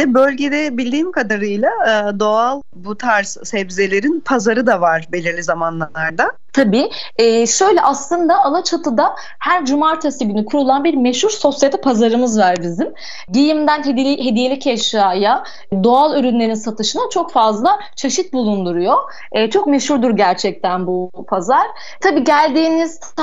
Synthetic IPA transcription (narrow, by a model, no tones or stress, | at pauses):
ɛbølʲɟe̞d̪ɛbilʲd̪iːmkʰad̪aɾɯjlˠaɯd̪o̞alˠ | but̪ʰaɾssɛbze̞lʲe̞ɾinpʰazaɾɯd̪avaɾbe̞lʲiɾlʲizamanlˠaaɾd̪at̪ʰabiːɛːʃø̞jlʲɛʔaslˠɯnd̪aalˠat͡ʃʰat̪ʰɯd̪a | hæɾd͡ʒumaɾt̪ʰasɯɟynykʰuɾulˠanbiɾmeʃhuɾso̞sjat̪ɛpʰazaɾɯmɯzvaɾbizim | ɟijimd̪ænɦd̪ʲɦe̞d̪ije̞lʲicʰɛʃaːja | d̪o̞alˠyɾynlʲe̞ɾinsat̪ʰɯʃɯnat͡ʃʰo̞kfazlˠa | t͡ʃʰeʃit̪̚bulˠund̪uɾujo̞ː | t͡ʃʰo̞k̚me̞ʃhuɾd̪uɾɟæɾt͡ʃʰɛc̚t̪ʰænbu | pʰazaɾ̥ | t̪ʰabiːɟælʲd̪iːniz̥